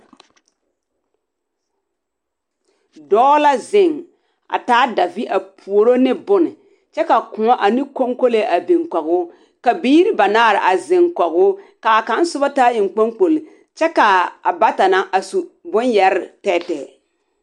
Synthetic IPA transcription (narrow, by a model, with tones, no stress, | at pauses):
dɔː˦la˦zɪ˨ŋ | a̰˨taː˦da˨vi˦ʔa˨pʰu˨o˨ɾo˦nɪ˦bʊ˦nɪ˨ | t͡ʃɛ˦ka˨kʊ̃˨ŋɔ˦ʔa˨ni˦ko˦ŋko˦le˦ʔa˨bi˨ŋkɔ˨ɡʊ˦ | ka˨biː˦ɾi˦ba˨naː˦˨ɾɪ˨ʔa˨zɪ˨ŋkɔ˨ɣʊ˦ka˨ka˨˦n˦sʊ˦ba˦ta˦ɪ˨ŋ˨k͡po˦ŋk͡po˨l | t͡ʃɛ˦ka˨a˨ba˦ta˨na˦ʔa˨su˨bʊ˦njɛ˨ɾɪ˨tɛː˦tɛ˨